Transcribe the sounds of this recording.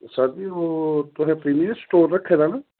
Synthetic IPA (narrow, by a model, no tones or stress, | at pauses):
sad͡ʒioːt̪ʊɦɛ̃ːpɾiːmijəɾsʈoːɾːəkʰːeːd̪aːnaː